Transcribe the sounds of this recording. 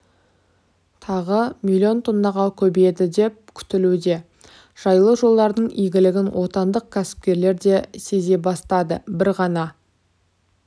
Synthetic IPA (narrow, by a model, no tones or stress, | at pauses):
t̪ʰɑʁəmilʲːio̞nt̪ʰond̪ɑʁɑlˠkʲʰɵbed̪ɪd̪e̞p̚kʲʰʏ̥t̪ɪlud̪e̞ | ʒ̥ɑjlˠəʒo̞lˠd̪ɑɾd̪əɴijɡʲɪlɪɡʲɪnwʔo̞t̪ɑnd̪əq̚kʲʰæsɪ̥p̚kʲe̞ɾle̞ɾd̪e̞se̞ze̞bɑst̪ɑd̪əbɪɾʁɑnɑ